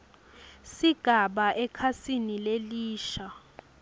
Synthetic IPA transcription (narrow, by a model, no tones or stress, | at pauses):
siɡ̥ʱaɓaʔɛkʰasinileliːʃa